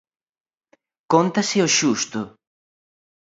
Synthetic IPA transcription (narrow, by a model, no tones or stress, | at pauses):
kont̪asɪoʃust̪ʊ